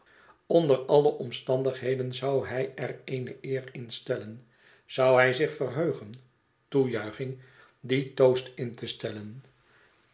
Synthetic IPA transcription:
ɔndərɑləʔɔmstɑndəχɦejdənzɑwɦɛjɛrejnəʔɪːrɪnstɛlən | z̥ɑwɦɛjzɪχfərɦøɥχən | tujœɥχɪŋ | ditowstɪntəstɛlən

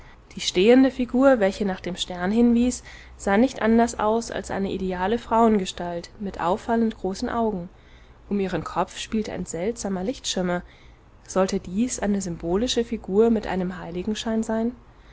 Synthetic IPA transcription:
d̥iːʃteːəndəfiɡuːɐvɛlçənaːχd̥eːmʃtɛɐnhɪnviːs | z̥aːnɪçtʔandɐsʔa̰ʊsa̰lsʔa̰ɪnəʔideaːləfʁ̥aʊənɡəʃtaltmɪtʔa̰ʊfaləntɡ̥ʁoːsn̩ʔaʊɡŋ̩ | ʔʊmiːʁ̞ənkʰɔp͡fʃpiːltəʔa̰ɪnzɛltz̥aːmɐlɪçtʃɪɐmɐ | z̥ɔltədiːsʔaɪnəzʏmboːlɪʃəfiɡuːɐmɪtʔa̰ɪnəmɦaɪlɪɡŋ̩ʃaɪnzaɪn

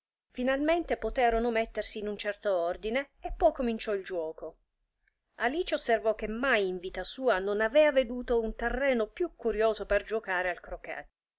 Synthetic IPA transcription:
finalment̪epot̪ɛːɾonomet̪ːersiːnunt͡ʃɛrt̪oɔrd̪ineːpːɔjkomint͡ʃɔild͡ʒwɔːko | aliːt͡ʃeosːervɔk̟ːemːajiɱviːt̪asuːanonavɛːaved̪uːt̪ount̪erːɛːnopjukːuɾjoːzoperd͡ʒokaːɾealkɾokɛ̰

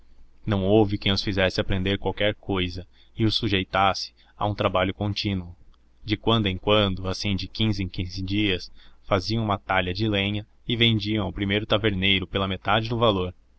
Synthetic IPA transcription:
nɐ̃w̃owvɪkẽj̃ʊsfizɛsɪapɾẽnd̪eɾkwawkɛɾkojzɐ | ɪʊsuʒejt̪asɪ̥ | a̰ũt̪ɾabaʎʊkõnt͡ʃĩnwʊ | d͡ʒɪkwɐ̃nd̪ʊẽkwɐ̃nd̪ʊasĩd͡ʒɪkĩzɪẽkĩzɪd͡ʒiɐsfaziɐ̃w̃umɐt̪aʎɐd͡ʒɪlẽɲɐ | ɪvẽnd͡ʒiɐ̃w̃awpɾimejɾʊt̪aveɾnejɾʊpelɐmet̪ad͡ʒɪd̪ʊvaloɾ

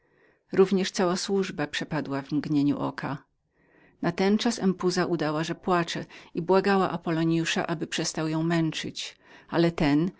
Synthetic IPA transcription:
ɾuvɲɛʂt̪sawaswuʐbapʂɛpad̪wavmɡɲeɲṵʔɔ̰kʰa | nat̪ɛnt͡ʂasɛmpuzaʔud̪awaʐɛpwat͡ʂɛibwaɡawa̰ʔapɔlɔɲjuʂa̰ʔabɘpʂɛst̪awjɔ̃w̃mɛnt͡ʂɘ̰t͡ɕalɛt̪ɛn

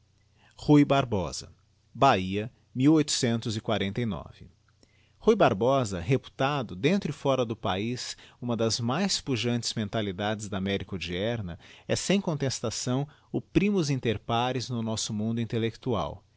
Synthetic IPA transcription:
hujbaɾbɔ̰z̥ɐ̰ | baiɐ | miwojt̪ʊ̥sẽnt̪ʊzɪkwaɾẽnt̪ɐjnɔ̰v̥ɪ̰ | hujbaɾbɔzɐhepu̥t̪ad̪ʊd̪ẽnt̪ɾʊifɔɾɐd̪ʊpaisũmɐd̪ɐzmajspuʒɐ̃nt͡ʃɪ̥zmẽnt̪alid̪ad͡ʒɪzd̪ɐːmɛɾikʊd͡ʒiɛɾnɐɛsẽj̃kõnt̪est̪asɐ̃w̃ | ʊpɾĩmʊzĩnt̪eɾpaɾɪznʊnɔsʊmũnd̪ʊĩnt̪elekt̪ua̰w

